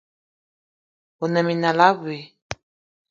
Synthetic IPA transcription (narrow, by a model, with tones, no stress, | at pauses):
o˨nɛ̃˨mĩ˨nã˨la˦βwe˨